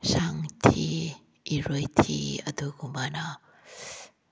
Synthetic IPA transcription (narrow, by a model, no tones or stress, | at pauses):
saŋtʰiː | ɾojtʰia̰duɡumana